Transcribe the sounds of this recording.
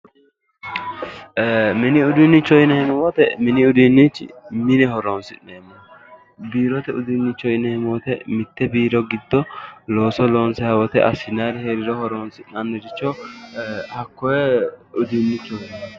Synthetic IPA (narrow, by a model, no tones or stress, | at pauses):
mɪnɪʊd̪ɪnːɪt͡ʃːɔjɪnɛhɪmwɔt̪ɛmɪnɪʊd̪ɪnːit͡ʃːmɪnɛhɔɾoːnsɪnːɛɛmɔ | biːɾɔt̪ɛʊd̪ɪnːɪt͡ʃːɔjɪnɛhɪmwɔt̪ɛmɪt̪ːɛbiːɾɔɡɪd̪ːɔlo̞ːsɔloːnsɛhɐwɔt̪ɛ̰ʔɐ̰sɪnaɾɪheːɾɪɾɔhɔɾoːnsɪnɐnːɛd͡ʒɪt͡ʃːɔ | hɐkːɔjɛʊd̪ɪnːɪt͡ʃːɔhɛ